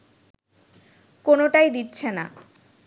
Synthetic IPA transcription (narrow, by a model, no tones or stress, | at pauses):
konoʈajd̪itːɕʰena̰